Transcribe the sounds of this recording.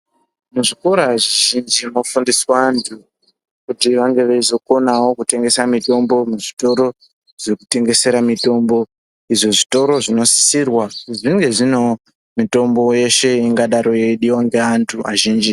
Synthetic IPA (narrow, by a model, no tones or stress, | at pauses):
muʐiko̞ɾoaʐiʒind͡ʒimofundiswaːntʰu | kutiʋaŋɡe̞ʋeizo̞ko̞nawo̞kute̞ŋɡe̞samito̞mbo̞muʐito̞ɾo̞ | ʐekute̞ŋɡe̞se̞ɾamito̞mbo̞ | iʐoʐito̞ɾo̞ʐino̞si̥sirwaʐiŋɡe̞ʐino̞ | mito̞mbo̞je̞ʃe̞iŋɡaɗaɾo̞jeɗiwaŋɡeantʰua̰ʒiːnd͡ʒi